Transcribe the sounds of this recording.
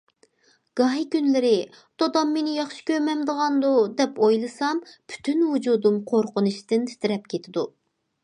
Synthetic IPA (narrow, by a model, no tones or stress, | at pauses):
ɡ̥ɑɦjkʲynlɪɾɪ | t̪ʰod̪ɑmːenɪjɑχʃi̥kʲʰømɛmd̪əʁɑnd̪ud̪ɛpojlˠɨsɑmpʰy̥t̪ʰynhud͡ʒud̪umqʰoɾqʊnuʃt̪ɪnt̪ʰɪ̥t̪ʰɪɾɛp̚kʲʰet̪ʰɪd̪u